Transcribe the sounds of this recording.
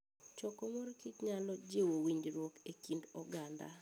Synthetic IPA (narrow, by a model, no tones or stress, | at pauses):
t͡ʃɔkɔmorkitɲalɔd͡ʒewowiɲd͡ʒɾwɔkekindɔɡanda̰